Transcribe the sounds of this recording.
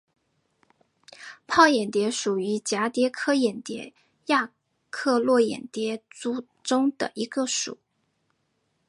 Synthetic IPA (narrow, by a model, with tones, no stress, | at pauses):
pʰɑ˥˩ʊjɛ˨˩nt̪jɛ˧˥ʂu˨˩y˧˥t͡ɕja˧˥t̪jɛ˧˥kʰɤ˥jɛ˨˩nt̪jɛ̰˧˥ | ja˥˧ | kʰɤ˥˧lwɔ˥˩jɛ̰˨˩nt̪jɛ˧˥t͡su˥ | ʈ͡ʂʊ˥ŋd̪ə̰˨ʔi˧˥ɡə˧ʂṵ˨˩˦